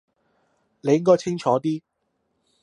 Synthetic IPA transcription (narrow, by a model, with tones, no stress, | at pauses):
le˨˧jkɔː˥jt͡sʰɪ˥ŋt͡ʃʰɔː˨˥t̪iː˥